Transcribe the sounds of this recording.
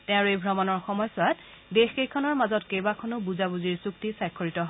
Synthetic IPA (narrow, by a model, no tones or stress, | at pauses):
tɛ̃ʊ̃ɹejbʱɹɔmɔnɔɹxɔmɔjsʊwat | dexkejkʰɔnɔɹmazɔtkejbakʰɔnʊbuzabuziɹsuktisajkʰːoɹitɔɦ